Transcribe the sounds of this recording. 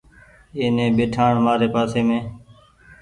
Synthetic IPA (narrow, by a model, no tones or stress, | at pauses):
eːnẽːɓeːʈʰaːɳmaːɾeːpaːseːmẽː